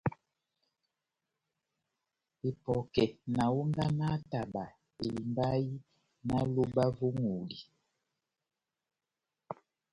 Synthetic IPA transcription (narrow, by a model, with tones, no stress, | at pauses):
e˨pɔ˨kɛ˨na˨wu˦ŋda˦na˦ta˨ba˨ | e˨li˨mba˦ji˦ | na˦lo˦ba˦vo˦ŋu˨di˨